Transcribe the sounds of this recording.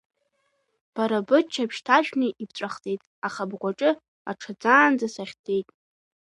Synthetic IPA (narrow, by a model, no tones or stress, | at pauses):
b̥aɾabɨt͡ʃʰapʰʃtʰaʒᶣnɨʔibt͡ɕʷʼaχt͡sʼejtʼaχabɡʷaʈ͡ʂʼɨ | a̰ʈ͡ʂʰad͡zaːnd͡zasaχʲtʰʼe̞jtʼ